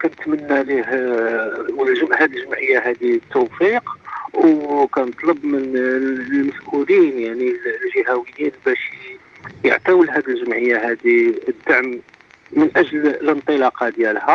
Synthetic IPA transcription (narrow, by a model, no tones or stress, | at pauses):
kænət̪mənːælih | əlʒmhæd̪əlʒəmʕəjːaɦæd̪iət̪ːuwfiqwkænət̪ˤləbmənlməsʔulinjaʕnillʒihæwəjːinbæʃ | jə̰ʕt̪æwəlɦæd̪əlʒəmʕəjːaɦæd̪iəd̪ːaʕmː | ənʔæʒllənt̪ˤəlɑqɑd̪jælhæ